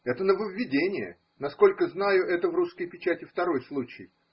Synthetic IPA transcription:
ɛt̪ənəvəvʲːɪdʲenʲɪjə̰ | nɐsko̞lʲkəznajʊʔɛt̪əvruskəjpʲɪt͡ɕætʲɪft̪ɐɾo̞jslˠut͡ɕɪ̰j

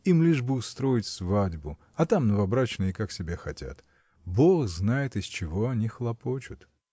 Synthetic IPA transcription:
imlʲiʐbɨʊst̪ɾo̞jɪtʲsvadʲbʊ | ɐt̪amnəvɐbɾat͡ɕnɨjɪkaksʲɪbʲexɐtʲa̰t̪ | bo̞xznajɪt̪ɨst͡ɕɪvo̞ɐnʲixlˠɐpo̞t͡ɕʊt̪

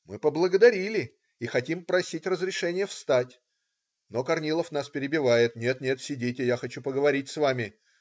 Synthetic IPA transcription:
mɨpəblˠəɡəd̪ɐɾʲilʲɪ | ixɐtʲimpɾɐsʲitʲrəzɾʲɪʂɛnʲɪjəfst̪atʲ | nokɐrnʲilˠəfnaspʲɪɾʲɪbʲɪvajɪt̪nʲe̞t̪nʲe̞t̪sʲɪdʲitʲɪjaxɐt͡ɕupəɡəvɐɾʲit̚ʲsvamʲɪ

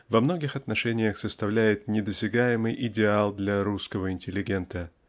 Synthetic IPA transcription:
vɐmno̞ɡʲɪxɐt̪nɐʂɛnʲɪjəxsəst̪ɐvlʲæjɪt̪nʲɪd̪əsʲɪɡajɪmɨjʔɪdʲɪalˠd̪lʲaɾuskəvəɪnʲtʲɪlʲːɪɡʲe̞nt̪ə

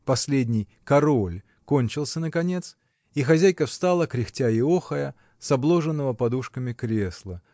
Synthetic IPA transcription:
pɐsʲlʲedʲnʲɪj | kɐɾo̞lʲ | ko̞nʲt͡ɕɪlˠsʲənəkɐnʲe̞t̪s | ixɐzʲæjkəfst̪alˠəkɾʲɪxtʲaɪoxəjə | sɐblˠo̞ʐɨnːəvəpɐd̪uʂkəmʲɪkɾʲe̞slˠə

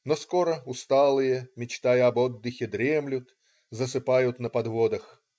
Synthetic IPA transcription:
nosko̞ɾəʊst̪alˠɨjəmʲɪt͡ɕt̪ajəɐbod̪ːɨxʲɪd̪ɾʲemlʲʊt̪ | zəsɨpajʊt̪nəpɐd̪vod̪əx

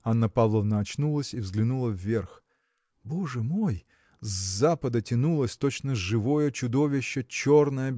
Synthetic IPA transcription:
anːəpavlˠəvnɐːt͡ɕnulˠəsʲivzɡlʲɪnulˠəvʲːe̞rx | bo̞ʐɨmo̞j | zːapəd̪ətʲɪnulˠəsʲt̪ot͡ɕnəʐɨvo̞jət͡ɕʊd̪o̞vʲɪɕːət͡ɕo̞rnəjə

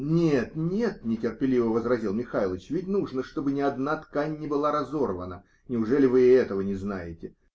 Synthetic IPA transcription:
nʲet̪nʲe̞t̪̚nʲɪtʲɪrpʲɪlʲivəvəzrɐzʲilˠmʲɪxailˠət͡ɕvʲɪtʲnuʐnəʂt̪o̞bɨnʲɪɐd̪nat̪kanʲːɪbɨlˠaɾɐzo̞rvə̰nə | nʲɪʊʐɛlʲɪvɨɛt̪əvənʲɪznajɪtʲɪ

